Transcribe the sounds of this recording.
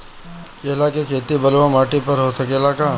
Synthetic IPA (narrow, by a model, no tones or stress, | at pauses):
keːlakekʰeːt̪ibɐlwãmaːʈipɐɾɦosɐkeːlaːkaː